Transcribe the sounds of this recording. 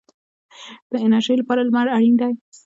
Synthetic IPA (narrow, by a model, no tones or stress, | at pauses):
d̪̥əɪnaʃilapɑɾalmaɾaɽind̪aj